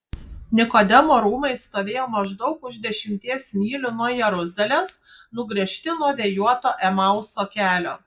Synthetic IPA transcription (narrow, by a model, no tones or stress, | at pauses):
nʲɪkoːd̪ʲɛmoːɾuːmɐɪst̪oːʋʲeːjoːmɐʒd̪ɒʊkʊʒd̪ʲɛʃʲɪmʲt̪ʲiɛsmʲiːlʲʊnuɔjɛɾʊzʲɛlʲeːsnʊɡɾʲiɛʃʲt̪ʲɪnuɔʋʲejuɔt̪oːʔɛmɐʊsokʲæːlʲo̰ː